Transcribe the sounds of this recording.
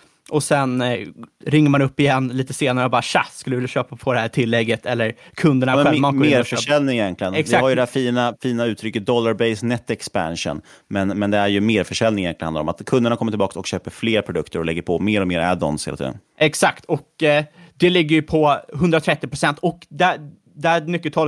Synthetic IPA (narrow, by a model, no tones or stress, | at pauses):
ʔɔsɛn | ɾɪŋːəɾmanɵpːɪjɛnːliːt̪əseːnaɾəbɑːɾaɕaskɵld̪vɪlːjaɕøːpapʰɔd̪ɛhæːʈʰɪlːɛɡːət̪ʰɛlːəɾkʰɵnd̪əɳaɧɛːaɔeːɾfœʂɛlnɪŋjɛnk̪ʰlɪɡənɛkaaɾjəd̪ɛhæːfiːnafiːnaʉ̟ːt̪ʰɾʏkːət̪̚d̪ɔlːaɾbɛɪsnɛt̪ːɛkspa̰nʂə̰n | mɛnmɛnd̪ɛæɾjɵmeːɾfœʂɛlnɪŋjɛnlɪnhad̪ɾɔ̰ma̰t̪kʰɵnd̪əɳakʰɔmːəʈɪbɑːksɔ̰kɕøːpəɾfleːɾpʰɾʊd̪ɵkt̪əɾɔlɛ̰ɡːəɾpʰɔmeːɾɔmeːɾæ̰d̪ɔ̰nshḛlat̪ʰḭːd̪ə̰n | ɛksakt̪ɔkd̪ɛlɪɡːəɾjɵpʰɔɦɵnd̪ɾat̪ʰɾɛt̪ːɪpɾʊsɛnt̪ʰɔkd̪æ | d̪ææmʏkːət̪ʰɑːl